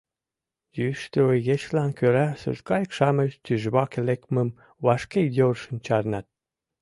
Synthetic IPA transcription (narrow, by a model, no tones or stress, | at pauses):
jyʃt̪ɾojet͡ɕlɑnkøɾæsṵʒkɑjkʃɑmə̆ʃt̪yʒβɑkelekmə̆m | βɑʃkejorʃə̆nt͡ɕɑɾnɑt̪̚